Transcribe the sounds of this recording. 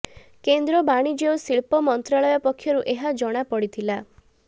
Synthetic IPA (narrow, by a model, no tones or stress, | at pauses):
kend̪ɾɔbaɽ̃id͡ʒeosiɭpɔmɔnt̪ɾaɭɔjɔpɔkʰːjɔɾuʔeɦad͡ʒɔɽ̃apɔɽit̪ʰila